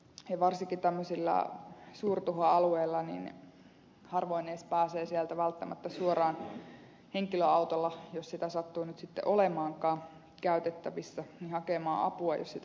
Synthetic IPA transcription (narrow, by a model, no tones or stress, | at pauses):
jɑʋɑrsiŋkit̪æmːøsilːɑ̰suːrt̪uɦɑɑlueilːɑnḭn | hɑrʋoineːspæːseːsielt̪æʋælt̪ːæmæ̰t̪ːæsuorɑːn | heŋkiløɑut̪olːɑjossit̪æsɑt̪ːuːnyt̪sit̪ːḛʔolemɑːŋkɑːn | kæyt̪et̪ːæʋisːænihɑkemɑ̰ːʔɑ̰puɑjo̰ssit̪